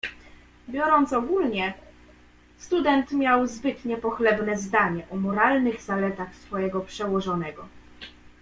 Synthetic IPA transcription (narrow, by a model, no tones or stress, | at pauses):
bʲjɔɾɔnt̪sɔɡulɲɛ | st̪ud̪ɛnt̪mʲjawzbɘt̪ɲɛpɔxlɛbnɛzd̪aɲɛʔɔmɔɾalnɘɣzalɛt̪axsfɔjɛɡɔpʂɛwɔʐɔnɛɡɔ